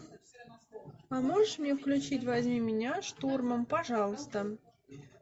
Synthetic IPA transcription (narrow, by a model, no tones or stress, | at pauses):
amoʐəʂmʲnʲefklʲut͡ɕitʲvazʲmʲimʲinʲaʂt̪urməmpɐʐɑlˠəst̪ə